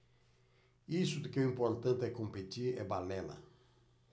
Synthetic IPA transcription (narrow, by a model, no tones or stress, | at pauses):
isʊd̪ɪkɛuĩmpoɾt̪ɐ̃nt̪ɪɛkõmpet̪iɾɛ̰balɛlɐ̰